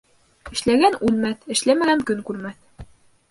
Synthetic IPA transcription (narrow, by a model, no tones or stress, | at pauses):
ɘ̆ʃlæɡænʉlmæθɘ̆ʃlæmæɡæŋkɵŋkʉɾmæθ